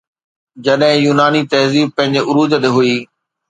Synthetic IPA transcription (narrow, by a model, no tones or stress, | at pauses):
d͡ʑɐɗɦɪ̃juːnaːnit̪ɐɦziːb̚pɐ̃ɦɪ̃ɲd͡ʑeʔʊɾuːzəd̪eɦuiː